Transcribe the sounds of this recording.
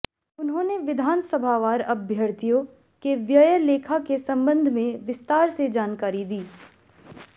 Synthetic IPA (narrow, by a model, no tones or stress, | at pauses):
ʊnɦõːneʋɪd̪ʱaːnsəbʱaʋaːɾɐbʱjəɾt̪ijõ | keʋjəjəleːkʰakesɐ̃mbə̃nd̪ʱmẽʋɪst̪aːɾsed͡ʒaːnkaːɾid̪iː